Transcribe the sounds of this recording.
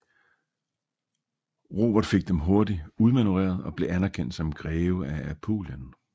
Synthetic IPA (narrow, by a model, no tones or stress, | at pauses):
ʁo̝̰ːb̥ɐd̥fe̝ɡ̥̚d̥emɦo̝ɐdiuð̞ˠmænuʁḛːɐðˠɒ̽b̥le̝ʔænæɐkʰen̰d̥sɒ̽mɡ̥ʁɛːʊəææpʰo̝̰ːljən